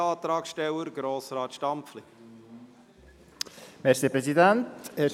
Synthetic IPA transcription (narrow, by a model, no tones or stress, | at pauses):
ɑːt̪ɾɑːksʃtɛwəɾɡɾoːsɾɑːt̪ʃtɑmpfli | mɛɾsiːpɾɛsid̪ænteː